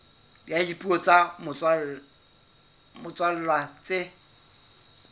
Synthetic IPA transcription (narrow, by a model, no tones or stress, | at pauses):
bjadipʼuɔt͡sʼamʊa | mʊt͡sʼwal̩lwat͡sʼɪ